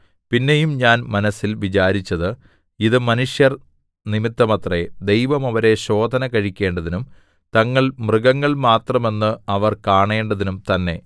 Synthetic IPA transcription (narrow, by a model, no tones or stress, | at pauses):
pinːe̞jumɲaːnmɐnɐsːilʋit͡ɕaːɾit͡ɕːɐðɨ | iðɨmɐnuʂjɐr | nimit̪ːɐmɐt̪red̪e̞jʋɐmɐʋɐɾe̞ɕo̞ːd̪ʱɐnɐkɐɻikʲːe̞ːɳɖɐðinum | t̪ɐŋːɐɭmrɨɡɐŋːɐɭmaːt̪rɐme̞nːɨɐʋɐrkaːɳe̞ːɳɖɐðinumt̪ɐnːe̞